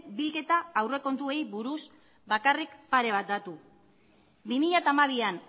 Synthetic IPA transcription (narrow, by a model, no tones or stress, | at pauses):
bilke̞t̪aːwre̞ko̞nt̪ue̞jβuɾus | bakarikpaɾe̞β̞at̪̚d̪at̪u | bimiʎat̪aːmaβ̞ian